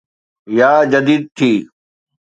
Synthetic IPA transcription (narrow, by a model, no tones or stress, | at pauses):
jaːd͡ʒəd̪iːd̪̚t̪ʰiː